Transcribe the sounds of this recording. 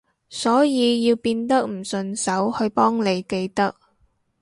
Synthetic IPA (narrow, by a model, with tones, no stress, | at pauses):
sɔː˨˥jiː˨˧jiː˧wpiː˧nt̪ɐ˥k̚m̩˨˩sɵ˧nsɐ˨˥whɵ˧ɥpɔː˥ŋne˨˧jke˧jt̪ɐ˥k̚